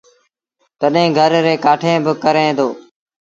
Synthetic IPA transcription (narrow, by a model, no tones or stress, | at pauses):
t̪əɗɦẽːɡʱəɾɾeːkaːʈʰẽːbɪkəɾẽːd̪oː